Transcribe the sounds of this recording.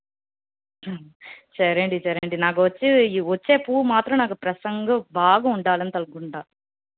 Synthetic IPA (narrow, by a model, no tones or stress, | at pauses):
t͡ʃɐɾɐɳɖit͡ʃɐɾɐɳɖinaːk̬uʋɐt͡ʃːiʋɐt͡ʃːeːpuːmaːt̪ɾɐmnaːkupɾɐsɐŋɡɐbaːɡɐuɳɖaːlɐnit̪ɐlɡuɳɖaː